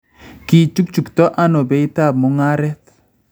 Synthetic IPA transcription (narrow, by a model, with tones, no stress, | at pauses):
ki˨t͡ʃu˦k̚t͡ʃu˨kt̪ɔ˦ʔa˦no˨be˨˦i˦t̪a˦˨b̚mo˨ŋa˦ɾɛ˦t̪